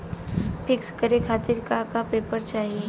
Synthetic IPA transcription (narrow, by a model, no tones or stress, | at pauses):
pʰɪkskəɾekʰaːt̪ɪɾkakapeːpəɾt͡ʃaːɦie